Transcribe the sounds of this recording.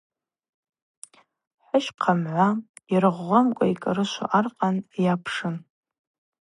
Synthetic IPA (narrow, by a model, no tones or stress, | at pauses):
ħʷʊʃqʰamʕʷairɨʁːʷamkʷʼaikʼaɾɨʃʷo̰ʔarqʼanjapʰʂɨn